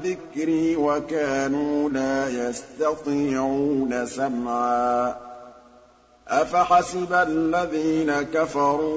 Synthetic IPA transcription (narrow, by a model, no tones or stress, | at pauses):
ðɪkɾɪwakaːnuːlaːjast̪ɑt̪ˤiʕuːnasamʕa | ʔafaħasɪballːaðiːnakafɑɾˤuː